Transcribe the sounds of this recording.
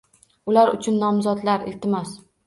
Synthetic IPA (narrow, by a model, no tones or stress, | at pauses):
ʊlaɾʊ̰t͡ʃʰʊnːɒmzɒd̪laɾɪ̰lt̪ʰɪmɒs